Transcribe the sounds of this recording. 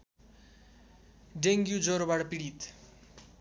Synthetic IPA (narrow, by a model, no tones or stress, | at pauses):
ɖeŋɡjud͡zoɾobaʈapiɽit̪